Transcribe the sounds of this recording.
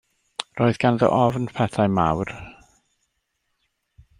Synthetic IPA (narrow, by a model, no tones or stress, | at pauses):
roːɨðɡ̥anðɔ̰ʔɔvnpʰɛθajma̰wr